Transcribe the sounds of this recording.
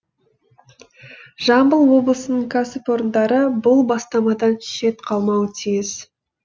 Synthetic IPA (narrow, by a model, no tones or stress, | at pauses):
ʒ̥ɑmbəlˠwo̞blˠəsənəɴkʰasɪpo̞ɾənd̪ɑɾəbʊlˠbɑst̪ɑmɑd̪ɑnʃe̞t̪qʰɑlˠmɑwət̪ʰijɪz̥